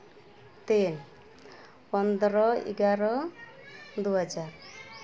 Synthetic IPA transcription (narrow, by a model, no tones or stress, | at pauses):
t̪en | pɔnd̪ɾɔḭɡaɾɔ | d̪uɦad͡ʒaɾ